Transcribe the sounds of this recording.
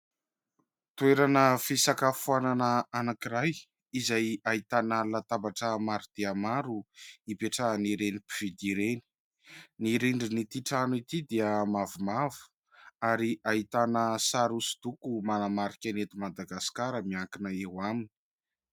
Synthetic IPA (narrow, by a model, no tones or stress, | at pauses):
t̪ueɾanəfisakafuananəanakiɾaj | izajait̪anəlat̪abaʈ͡ʂəmaɾud̪̥eamaɾuipeʈ͡ʂaniɾenipiv̥id̪iɾeni̥ | niɾeɳɖ͡ʐinit̪iʈ͡ʂanuit̪id̪eəmavumavu̥ | aɾiʔait̪anəsaɾusi̥d̪̥ukumanamaɾikʲanet̪umad̪aɡaskaɾəmiakinəewamini̥